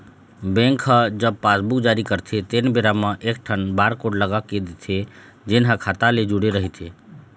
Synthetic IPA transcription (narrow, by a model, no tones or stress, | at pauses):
bɛ̃ŋkɦəd͡ʒəb̚paːsbukd͡ʒaːɾikəɾt̪ʰet̪eːnbeɾamãʔeːk̚ʈʰənbaːɾkoʈləɡaked̪et̪ʰe | d͡ʒenɦəkʰaːt̪aled͡ʒuɽeɾəɦit̪ʰe